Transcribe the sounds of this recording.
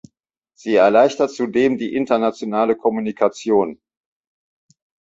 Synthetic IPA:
z̥iːɛɐlaɪçtɐtt͡sudeːmdiːʔɪntɐnat͡sjonaːləkʰɔmunikʰat͡sjoːn

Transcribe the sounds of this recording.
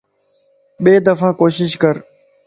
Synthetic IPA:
ɓeːd̪əfãːkoːʃɪʃkəɾ

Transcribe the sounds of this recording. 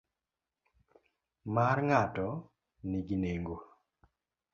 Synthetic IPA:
maɾŋatɔ | niɡineŋɡo

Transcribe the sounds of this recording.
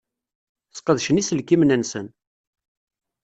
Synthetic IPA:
sqəðʃənisəlkimnænsən

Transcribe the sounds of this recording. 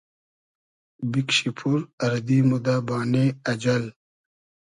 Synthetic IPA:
bikɕipʰuɾɐɾd̪imud̪abaːneɐd͡ʑɐl

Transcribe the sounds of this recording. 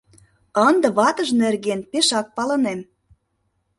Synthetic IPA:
ənd̪ə̆βɑt̪ə̆ʒnerɣenpeʃɑk̚pɑlənem

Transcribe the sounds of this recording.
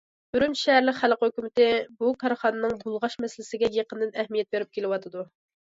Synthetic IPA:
b̥yɾynʃɛɦæɾlɪkʲχælqhøkʲymɪt̪ɪbukʰɑɾχɑnɨnɨŋbulˠʁɑʃmɛsɪlɪsɪɡʲɛjeqənɨd̪ɨnɛhmijɛt̪̚beɾyp̚kʲelɪwɑt̪ʰɨd̪u

